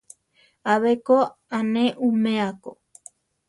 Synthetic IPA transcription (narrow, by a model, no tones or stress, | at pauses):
aβekoanẽʔumẽako